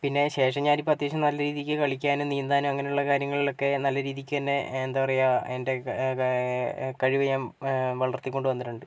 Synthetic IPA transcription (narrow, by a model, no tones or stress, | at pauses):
pinːe̞ɕe̞ːʂɐɲːaːɾipːɐt̪ːjeːɕɐmnɐlːɐɾiːðikʲːɨkɐɭikʲːaːnɨnijnd̪aːnumɐŋːɐnejuɭːɐkaːɾjɐŋːɐɭilo̞kːe̞nɐlːɐɾiːðikʲːɨt̪ɐnːeend̪aːʋɐrɐjaːende̞ | kɐɻiʋɐjaːmʋɐɭɐrt̪ːikʲːo̞ɳɖɨʋɐnːitːuɳɖɨ